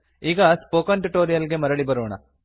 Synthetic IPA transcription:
iːɡɐspoːkɐnʈuʈoːɾijɐlɡemɐɾɐɭibɐɾoːɳɐ̰

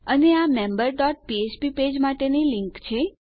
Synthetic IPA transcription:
əneamembəɾɖɔʈ̚piet͡ʃpiped͡ʒmaʈenilɪŋkt͡ʃʰe

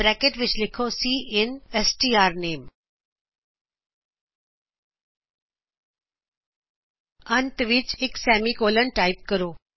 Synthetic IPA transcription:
ɾɛkeʈʋɪt͡ʃlɪkʰosiːɪnesʈiːaːɾneːm | ənt̪ʋɪt͡ʃɪksɛːmikoːlənʈaːɪp̚kəɾoː

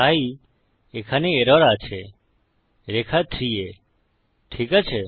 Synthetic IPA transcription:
ai | ekʰaneeɾɔɾat͡ʃʰe | ɾekʰat̪ʰɾie | ʈʰikat͡ʃʰe

